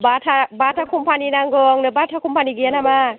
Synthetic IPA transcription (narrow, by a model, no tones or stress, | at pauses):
batʰabatʰakʰumpʰaninaŋɡɔŋnɯbatʰakʰumpʰaniɡianama